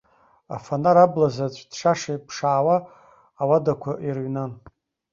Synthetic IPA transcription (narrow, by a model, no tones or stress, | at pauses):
a̰fanaɾablazat͡ɕʷʰʼd̥ʂaʂajpʰʂaːwaː | wadakʷʰaʔirɥnan